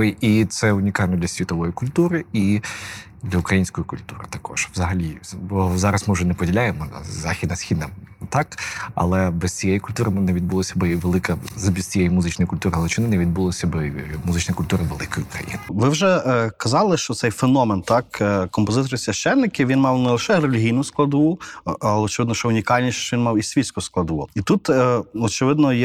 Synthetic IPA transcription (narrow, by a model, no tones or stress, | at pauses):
ɪit̪sɛʊnʲikɑlʲnɔd̪lʲɐsʲʋʲit̪ɔʋɔjikʊlʲt̪uɾɪi | d̪lʲɐʊkɾɐjinʲsʲkɔjikʊlʲt̪uɾɪ̰t̪ɐkʰɔ̰ʒ̥ʋzɐɦɐlʲibɔzɑɾɐsmɪwʒɛnɛpɔdʲilʲajemɔn̰zɑxʲid̪nɐsxʲid̪nɐt̪ɑkɐ̰lˠɛbɛst͡sʲijɛjikʊlʲt̪uɾɪmɪnɛʋʲid̪̚bulˠɔsʲɐbɪʋelˠɪkɐzɐbʲizt͡sʲijɛjimʊzɪt͡ʃnɔjkʊlʲt̪uɾɪɦɐlˠɛt͡ʃɪnɪnɛʋʲid̪̚bulˠɔsʲɐbɪmʊzɪt͡ʃnɔjkʊlʲt̪uɾɪʋelˠɪkɔjʊkɾɐ̰jḭnɪʋɪwʒɛkɐzɑlˠɪʃt͡ʃɔt̪sɛjfenɔment̪ɑkkɔmpɔzɪt̪ɔɾɪsʲʋʲɐʃt͡ʃɛnːɪkʲɪʋʲinmɑwnɛlˠeʃɛrelʲiɦʲijnʊsklˠɐd̪ʋuɐlˠɛɔt͡ʃeʋɪd̪nɔʃt͡ʃɔʊnʲikɑlʲnʲiʃʃt͡ʃɔʋinmɑwisʲʋʲisʲkʊsklˠɐd̪ʋuit̪ut̪ɔt͡ʃɪʋɪd̪nɔjɛ